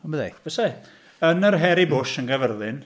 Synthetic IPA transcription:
aməðejvəsa | ənərɦɛɾibʊʃənɡəvərðɪn

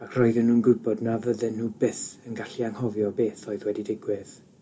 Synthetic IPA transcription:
akʰrɔɨðɪnːuːnɡʊbɔdnavəðɨnːuːbɪθənɡaɬiaŋhɔvjɔbeːθoɨðwɛdidɪɡwɪð

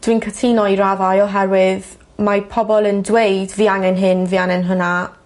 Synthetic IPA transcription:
d̥wiːnkʰətʰinɔiɾavajɔɦɛɾwɪð | mapʰɔbɔlˠəndwejdviːaŋɛnɦɪnvianɛnɦʊna

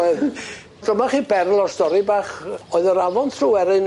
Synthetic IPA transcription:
ɛð | d̥əmaχiːbɛrlˠɔrstɔɾibaːχɔɨðəɾavɔntʰruːɛɾɨn

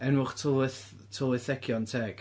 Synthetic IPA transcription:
ɛnwʊχtʰoθ | tʰoɪθɛkʰjɔntʰɛɡ̥

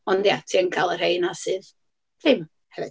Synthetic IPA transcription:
ɔndjatʰiːənkʰalˠərhejnasɨð̥ | ɪm | hɛvɪ

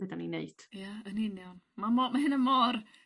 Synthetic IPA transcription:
ədanineɨd̥jaənɪnjɔn | mamɔmaɦɪnəmɔːr

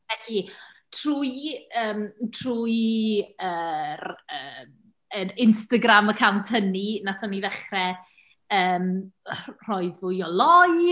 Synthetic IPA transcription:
vɛɬitʰruːjəːmtʰruːj | əːrəːm | ənɪnstaɡraməkʰantʰəninaθanivɛχrɛ | əːm | r̥ɔɨdvʊːjɔlˠɔj

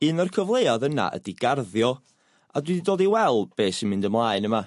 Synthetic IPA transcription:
ɨːnərkʰəvlˠeaðəna̰ʔə̰diɡ̥arðjɔ | adwididoːdiwɛlˠb̥eːsimɪndəmlˠaːɨnəma

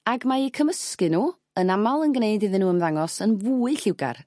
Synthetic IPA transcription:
aɡmaikʰəməskɨnuː | ənamalˠənɡneɨdɨðɨnuːəmðaŋɔsənvuːɨɬɪwɡa̰r

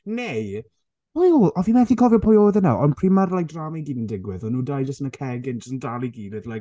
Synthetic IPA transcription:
nej | ojolʔɔðinmɛθikʰɔvjɔpʰɔjoːðɛna̰ɔnpʰr̥imarlajk̚dramiɡiːnəndɪɡwɪðɔnːuːdajd͡ʒastnəkʰɛɡɪnd͡ʒəsndalˠiɡiːlɪðlajk

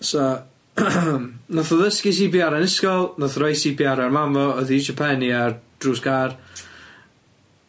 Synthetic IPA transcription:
sɔ | mnɔθɔðəskis̬ibjaɾanɪskɔlˠnɔθrojsibjaɾaarmamvɔɔðid͡ʒɔpʰɛniard̥ruːskaːr

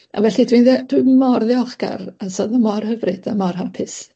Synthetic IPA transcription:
a̰vɛɬɨdwinðɛd̥wimɔrðɪɔχɡ̥a̰rasɔðɔmɔrhəvrɨd̥amɔrhapʰɪs

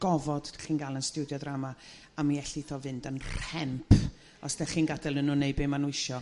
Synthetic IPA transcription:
ɡ̥ɔvɔd̥χiːnɡalˠənstudjɔdrama | amiɛɬiθɔvɨndənrɛmpʰ | ɔsdɛχiːnɡadɛlˠənuneɨbɪmanwɪʃɔ

